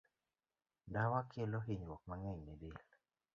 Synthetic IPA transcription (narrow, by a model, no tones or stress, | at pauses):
dawakʰeloɦiɲwɔk̚maŋɛɲnedel